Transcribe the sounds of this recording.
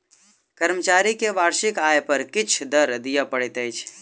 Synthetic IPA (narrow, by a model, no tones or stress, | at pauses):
kəɾmət͡ʃaɾikeʋaɾʃɪkajpəɾkɪt͡ʃʰd̪əɾd̪ijəpəɽɛt̪əjt͡ʃʰ